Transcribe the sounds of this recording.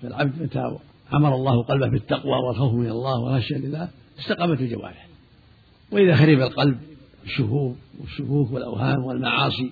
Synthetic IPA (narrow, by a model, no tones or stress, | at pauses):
falʕabd̪mat̪a̰ | ʕamɑɾˤɑlˤːɑːhʊqɑlbahbɪt̪ːaqwa̰wɪlxawfmɪnalˤːɑːhwɪ̰lɣɑʃjalɪlːaːh | ʔɪst̪aqɑːmat̪ɪld͡ʒawa̰ːɾɪh | wɪʔɪðaxaɾɪbalqɑlb̚ | ɪʃːʊhuːɾwɪʃːʊkuːkwɪlʔa̰whaːmwɪlmaʕɑːsˤi